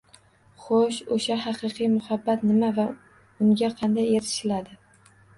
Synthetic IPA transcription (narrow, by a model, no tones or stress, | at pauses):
χoʃoʃaɦɑqɨqʰɨjmʊhabːat̪nɪmava | ʊŋɡʲaqʰɑnd̪ajeɾɪ̥ʃɪlad̪ɪ